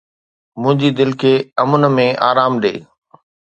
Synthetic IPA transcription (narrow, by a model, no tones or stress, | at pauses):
mʊ̃ɦɪ̃ɲd͡ʑid̪ɪlkʰeːɐmʊn̆mẽʔaːɾaːmɗḛː